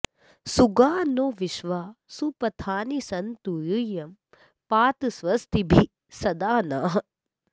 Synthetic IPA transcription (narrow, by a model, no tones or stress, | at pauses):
suɡaːnoːʋiʃʋaːsupɐt̪ʰaːnisɐnt̪ujujɐm | paːt̪ɨsʋɐst̪ibʱi | sɐd̪aːnaːɦɐ